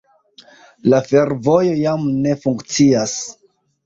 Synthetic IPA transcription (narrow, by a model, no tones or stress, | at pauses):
lafe̞ɾvo̞jo̞jamne̞fuŋkt͡sias